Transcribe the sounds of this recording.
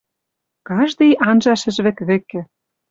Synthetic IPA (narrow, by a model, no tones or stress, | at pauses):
kɑʒd̪ɤjʔɑnʒɑʃɘ̆ʒβɘ̆kβɘ̆kːɘ̆